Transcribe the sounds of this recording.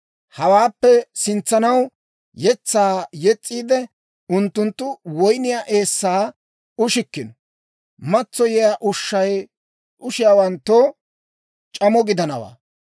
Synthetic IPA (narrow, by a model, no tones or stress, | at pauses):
hɐwaːpːɛsɪnt͡sːɐnɐw | jɛt͡sːaːjɛt͡sʼːiːd̪ɛ | ʊnt̪ːʊnt̪ːʊwɔjnɪjaːʔe̞ːsːaː | ʊʃɪkːɪnɔ | mɐt͡sːɔjɛjaːʔʊʃːɐj | ʔʊʃɪjaːwɐnt̪ːo | t͡ʃʼɐmɔɡɪd̪ɐnɐwa̰ː